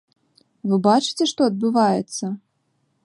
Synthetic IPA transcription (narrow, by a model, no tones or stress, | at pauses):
vɨbat͡ʂɨ̥t͡sʲɛʂt̪ɔɐd̪̚bɨvajɛt̪sːɐ